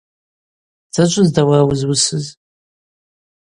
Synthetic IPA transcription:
d͡zat͡ʃʷʼʊzdawawʊzwʊsɨz

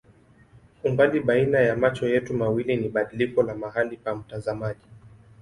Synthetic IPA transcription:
umbaliɓainajamat͡ʃɔjɛtumawiliniɓaɗilikɔlamaɦalipam̩tazamaʄi

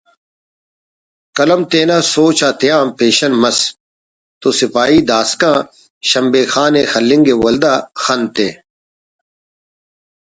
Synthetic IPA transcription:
kɐlɐmt̪eːnaːsoːt͡ɕʰaːt̪ijãːmpeːɕɐnmɐs | t̪oːsɪpaːiːd̪aːskãː | ɕɐmbeːxaːneːxɐlːɪ̃ŋɡeːwɐld̪aːxɐnt̪eː

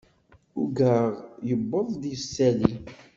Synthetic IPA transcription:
uɡəʁjəbːəðˤd̪isːæli

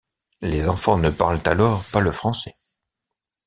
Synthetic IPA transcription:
lezɑ̃fɑ̃nəpaʁlt̪alɔːʁpaləfχɑ̃sɛ

